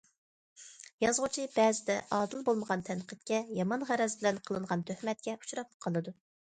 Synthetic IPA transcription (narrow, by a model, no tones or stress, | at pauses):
jɑzʁʊt͡ʃʰibɛːzɪd̪ɛʔɑːd̪ɨlˠbolˠməʁɑnt̪ʰɛnqʰət̪̚kʲɛjɑmɑnʁæɾɛzbɪlɛnqʰəlˠɨɴʁɑnt̪ʰøhmɛt̪̚kʲɛu̥t͡ʃɾɑp̚qʰɑlˠɨd̪u